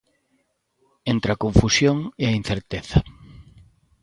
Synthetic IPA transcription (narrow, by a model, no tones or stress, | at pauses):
ent̪ɾeɐkõɱfusjoŋeɐin̟θeɾt̪eθɐ